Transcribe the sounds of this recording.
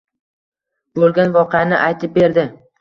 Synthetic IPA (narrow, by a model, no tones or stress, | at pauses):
bolˠɡʲanvɒqɨjanɪʔajt̪ʰɪp̚be̞ɾd̪ɪ